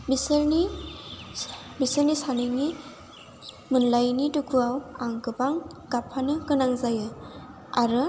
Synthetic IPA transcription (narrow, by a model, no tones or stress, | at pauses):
biseɾni | bisəɾnisanɯni | mɯnlajnidukʰuawaŋkɯbaŋɡapʰanɯkɯnaŋzajɯ | aɾɯ